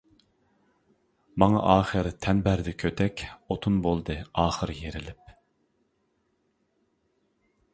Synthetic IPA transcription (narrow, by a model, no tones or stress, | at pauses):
mɑŋɑ̰ʔɑːχəɾt̪ʰɛnbæɾd̪ɛkʲʰøt̪ʰɛkʲot̪ʰunbolˠd̪ɨɑːχəɾjeɾɪlɪp̚